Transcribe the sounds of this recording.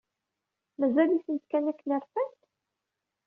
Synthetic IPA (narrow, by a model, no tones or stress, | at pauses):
mæzælisənt̪kænækːnəɾˤfænt̪